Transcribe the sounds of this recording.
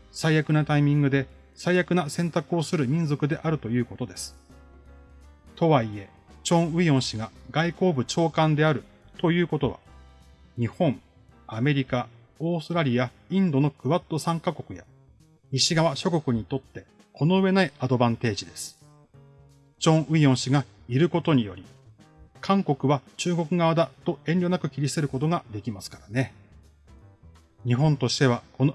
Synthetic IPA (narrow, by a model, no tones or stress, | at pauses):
saijakɯ̟nat̪aimʲĩŋɡɯ̟d̪e̞ | saijakɯ̟nasẽ̞nt̪akɯ̟o̞sɨɾɯ̟mʲĩñzo̞kɯ̟d̪e̞ʔaɾɯ̟t̪o̞jɯ̟ːko̞t̪o̞d̪e̞sɨ̥ | t̪o̞βaie̞ | t͡ɕõ̞ɰ̃ɯ̟iõɰ̃ɕiɡaɡaiko̞ːbɯ̟t͡ɕo̞ːkãnd̪e̞aɾɯ̟ | t̪o̞jɯ̟ːko̞t̪o̞βa̰ | ɲ̟ihõ̞ɴ | ame̞ɾʲika | o̞ːsɨɾaɾʲija | ĩnd̪o̞no̞kɯ̟βat̪ːo̞sãŋkako̞kɯ̟ja̰ | ɲiɕiɡaβaɕo̞ko̞kɯ̟ɲ̟it̪o̞t̪ːe̞ | kʰo̞no̞ɯ̟βe̞naiad̪o̞bãnt̪e̞ːʑid̪e̞sɨ̥ | d͡ʑõ̞ɰ̃ɯ̟iõɰ̃ɕiɡa | iɾɯ̟ko̞t̪o̞ɲ̟ijo̞̰ɾʲi | kʰãŋko̞kɯ̟βat͡ɕɨːɡo̞kɯ̟ɡaβad̪at̪o̞ẽ̞nʲo̞nakɯ̟kʲiɾʲiseɾɯ̟ko̞t̪o̞ɡad̪e̞kʲimasɨ̥kaɾane̞ | ɲ̟iɦõ̞nt̪o̞ɕi̥t̪e̞βako̞n